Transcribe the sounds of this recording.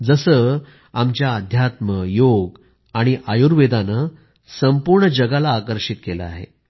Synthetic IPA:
d͡zəsəː | amt͡ɕjaəd̪ʱjat̪məjoɡ | aɽ̃iʔajuɾʋed̪anə | səmpuɾɳəd͡ʑəɡalaːkəɾʂit̪̚kelə̰a̰ɦḛ

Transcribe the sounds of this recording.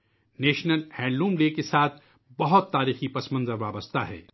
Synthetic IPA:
neːʃnəlhɛ̃ːɳɖɾũːmleːkesaːt̪ʰ | bɐɦʊt̪ːaːɾiːxipɐsmə̃nzəɾʋaːbəst̪ʰaɦɛ̰ː

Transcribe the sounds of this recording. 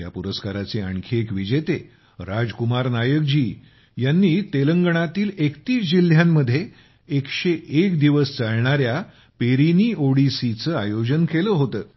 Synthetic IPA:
ja̰puɾəskaɾat͡seəɳkʰekʋid͡ʑet̪e | ɾad͡zkumaɾnajək̚d͡ʑiː | janːiːt̪eləŋɡɳ̃at̪iːlekt̪iːsd͡ʑil̤ːjamːəd̪ʱːje | ekɕeʔekd̪iʋəst͡saɭɳaɾja | peɾiniːʔoɽisit͡səajod͡ʑənkeləɦot̪əː

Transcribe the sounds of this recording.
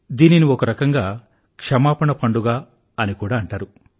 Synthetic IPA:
d̪iːniniokɐɾɐkɐŋɡaː | kʂɐmaːpɐɳɐpʰɐɳɖuɡaː | ɐnikuːɽaːɐɳʈaːɾu

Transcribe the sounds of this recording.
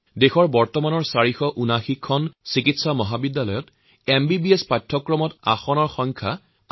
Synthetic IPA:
dexɔɹbɔɹtɔmanɔɹsaɹixɔʔunaxikʰːɔnsikitsamɔɦabidːalɔjɔt | embibiespatʰːɔkɹɔmɔta̰xɔnɔɹxɔŋkʰa

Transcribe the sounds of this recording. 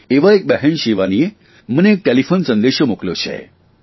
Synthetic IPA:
eʋaek̚bɛɦɛnʃiʋanie | məneːk̚ʈelifonsənd̪eʃomukljot͡ʃʰḛ

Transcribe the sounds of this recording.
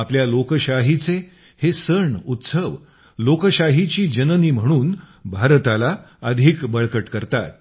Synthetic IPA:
apljalokəɕaɦit͡se | hesəɳut̪səʋ | lokəɕaɦit͡ɕiːd͡ʑənəniːm̤əɽ̃uːn | bʱaɾt̪alaəd̪ʱikbəɭkəʈkəɾt̪at̪̚

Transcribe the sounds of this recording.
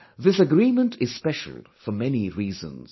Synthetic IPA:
ðɪsəɡɹĩmə̃ntʰɪz̥spɛʃə̰l̩ˠfəmɛniɹiːzə̰̃nz̥

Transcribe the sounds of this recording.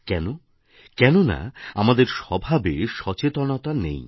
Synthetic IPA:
kɛno | kɛnona̰amad̪eɾʃɔbʱabeʃɔt͡ɕet̪onɔt̪anḛj

